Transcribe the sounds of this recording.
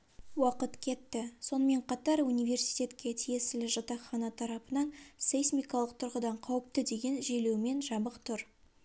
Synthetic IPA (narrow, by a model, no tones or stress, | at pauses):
wɑqət̪kʲʰe̞t̪ːɪso̞nəme̞ɴqʰɑt̪ɑɾunijve̞ɾsi̥jt̪ʲe̞t̪kʲe̞t̪ʰije̞sɪlɪʒɑt̪ɑχɑnɑt̪ʰɑɾɑpənɑnsejsmʲijkɑlˠəq̚t̪ʰʊɾʁəd̪ɑɴqʰɑwəp̚t̪əd̪e̞ɡʲe̞nʒele̞wme̞nʒɑbəqt̪ʰʊɾ